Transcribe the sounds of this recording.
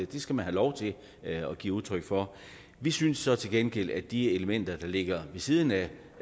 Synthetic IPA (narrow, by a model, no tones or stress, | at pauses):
d̥e̝sɡ̥æmænhɦælɒʊt͡sʰe̝ | ɒ̽ɡ̥ḭːuðˠt͡sʰʁœɡ̥fɒ̽ | ʋisynsːɒ̽t͡sʰe̝lɡ̥enɡ̥el̰æd̥ie̝ləmen̰d̥ɐd̥ɑ̈le̝ɡ̥ɐʋe̝sið̞ˠn̩æ